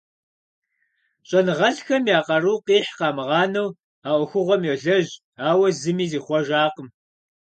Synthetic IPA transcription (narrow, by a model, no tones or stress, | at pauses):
ɕʼɐnɨʁɐɬxɐmjaːqɐruːqiːħqɑːmɨʁɑːnɐw | aːʔʷʊxʷʊʁʷɔmjɛɮɐʑ | aːwɐzɨmiːziːχʷɔʒaːqəm